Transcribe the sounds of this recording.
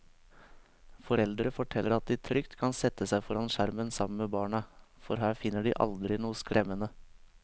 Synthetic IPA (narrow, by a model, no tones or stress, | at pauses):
fɔɾɛld̪ɾəfɔʈʰɛlːəɾɑt̪̚d̪iːt̪ʰɾʏkt̪kʰɑnsɛt̪əsæɪfɔɾɑnʃæɾmənsɑmən̩meːbɑːɳɑfɔɾɦæːɾfɪnːəɖiːʔɑ̰ld̪ɾɪnuːəskɾʔɛmːənə